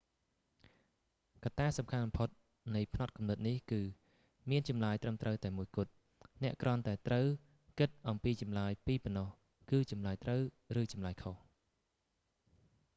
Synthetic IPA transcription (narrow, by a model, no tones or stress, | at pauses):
kat̪aːsɑmkʰanmɑmpʰot̪̚ | nɨjpʰnɑt̪̚kumnɨt̪̚nihkɨː | miənt͡ɕɑmlaːjt̪rəmt̪rəwt̪aɛmuəjkʊ̆ət̪̚ | nɛ̆əʔkrŏənt̪aɛt̪rəw | kɨt̪̚ʔɑmpiːt͡ɕɑmlaːjpiːpɔnːɑh | kɨːt͡ɕɑmlaːjt̪rəw | rɨːt͡ɕɑmlaːjkʰoh